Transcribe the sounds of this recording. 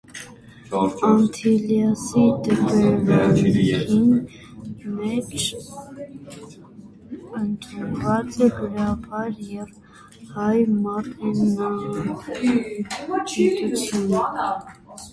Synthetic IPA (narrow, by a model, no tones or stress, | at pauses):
ɑnt̪ʰiljɑsit̪əpɛvɛ | in | mɛt͡ʃʰ | ənt̪ʰunvɑt͡sɛɡəɾɑvɑɾjɛv | hɑjmɑrɛnɑ | t͡ʃɛt̪ut͡sʰjunə